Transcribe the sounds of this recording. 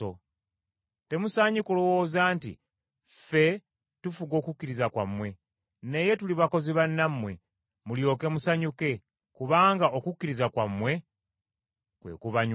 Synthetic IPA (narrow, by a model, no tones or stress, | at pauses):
o | te̞musaɲukolowozaːntḭ | fe̞ | tufuɡo̞ːkukːiɾizakwa̰mːwe̞ | ne̞je̞tuliβako̞ziβanːamːwe̞ | muljo̞ːke̞musaɲuke̞ | kuβaːŋɡaʔokukːiɾizakwamːwe̞ | kwe̞̰ːkuβaɲ